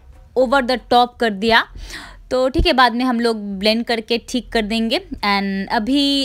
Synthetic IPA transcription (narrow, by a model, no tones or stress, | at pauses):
oːʋəɾd̪əʈɔːp̚kɐɾd̪ijat̪oːʈʰiːkebaːd̪mẽɦɐmloːɡ̚blẽːɳɖ̚kɐɾkeʈʰiːkːɐɾd̪ẽːŋɡeːɛ̃ːnɐbʱi